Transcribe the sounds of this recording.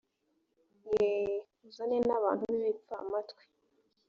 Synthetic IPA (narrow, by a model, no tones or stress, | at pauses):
je | uzanenaβa̰ːn̥huβiβip͡famatkwi̥